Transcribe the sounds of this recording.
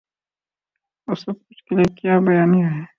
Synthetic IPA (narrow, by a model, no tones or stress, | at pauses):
osɐb̚kʊt͡ʃʰkeliekjaːbɐjaːniɾɐɦɛ